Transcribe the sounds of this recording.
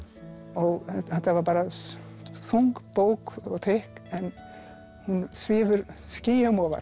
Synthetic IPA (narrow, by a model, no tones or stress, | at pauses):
ɔɣɛθɛht̪ːavaɾpaːɾa | fuŋkpoːwkɔɣt̪ʰehkɛn | hunsvɪːvʏɾscɪːjamɔːva̰ɾ